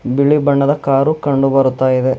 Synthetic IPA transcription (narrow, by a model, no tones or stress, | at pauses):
biɭibɐɳːɐd̪ɐkaːɾukɐɳɖubɐɾut̪ːaːjid̪e